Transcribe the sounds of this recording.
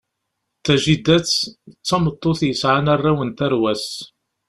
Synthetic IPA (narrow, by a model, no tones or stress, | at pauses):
θæʒid̪ːæt͡sːt͡sːɑmət̪ˤːoθjəsʕanarˤːawənt̪æɾwæs